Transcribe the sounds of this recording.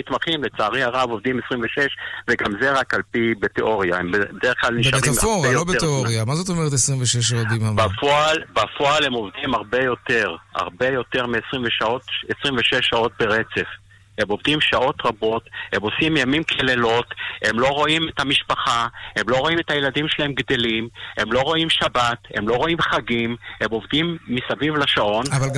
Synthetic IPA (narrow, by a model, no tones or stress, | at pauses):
mit̪maχimlet͡saːʁiaʁavo̞vd̪imesʁimveʃeʃveɡamzeʁakalpibet̪eʔo̞ʁjaembebedeeχklalniaʁamfoʁalobet̪eoʁijamazot̪omeʁt̪esʁiɱveʃeʃ̬aodimambafoalbafoalhemo̞vd̪imaʁbe̞jo̞t̪e̞ʁa̰ʁbe̞jo̞t̪e̞ʁmeesʁimveʃaotesʁimveʃeʃːao̞t̪̚beʁet͡se̞f | he̞mo̞vd̪imʃao̞t̪ʁabo̞the̞mo̞simjamimkʰelelo̞te̞mlo̞ʁo̞imethamiʃpaχahe̞mlo̞ʁo̞imet̪hajeladimʃelae̞mɡd̪e̞lime̞mlo̞ʁo̞imʃabat̪he̞̰mlo̞ʁo̞imχaɡimhemo̞vd̪imːisavivlaʃaʔo̞navalɡ